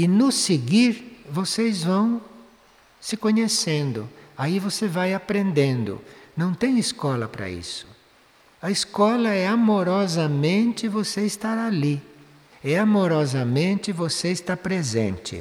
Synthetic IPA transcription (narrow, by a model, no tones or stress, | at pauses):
ɪnʊsɪɡiɾvosejzvɐ̃w̃ | sɪkõɲesẽnd̪ʊaivosevajapɾẽnd̪ẽnd̪ʊ̰nɐ̃w̃t̪ẽj̃ɪskɔlɐ̰pɾɐ̰ḭsʊ̥ | ɐiskɔlɐɛamoɾɔzɐmẽnt͡ʃɪvoseɪst̪aɾali | ɛamoɾɔzɐmẽnt͡ʃɪvoseɪst̪apɾezḛ̃nt͡ʃɪ̰